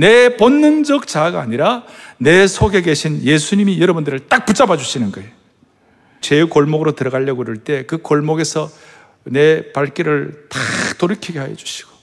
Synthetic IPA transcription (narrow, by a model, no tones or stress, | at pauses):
ne̞ponːɯnd͡ʑʌk̚t͡ɕaɡaːɲiɾane̞sʰoɡe̞ɡe̞ɕʰinje̞sʰuɲimijʌɾʌbundɯɾɯɭt͈ak̚put͡ɕ͈abad͡ʑuɕʰinɯnɡʌe | t͡ɕejukoɭmoɡɯɾotɯɾʌɣaʎːʌɡoɾɯɭt͈e̞kɯkoɭmoɡe̞sʰʌ | ne̞paɭk͈iɾɯɭtatoɾɯkʰiɡe̞ɦajʌ̰d͡ʑu̥ɕʰi̥ɡ̥o